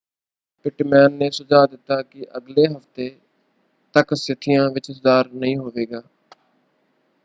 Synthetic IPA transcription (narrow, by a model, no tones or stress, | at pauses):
pɪʈmɛːnːeːsʊd͡ʒaːd̪ɪt̪ːaːkɪʔəɡleːɦəft̪eː | t̪əksɪt̪ʰɪjãːʋɪt͡ʃszaːɾnəɦĩːɦoːʋeːɡaː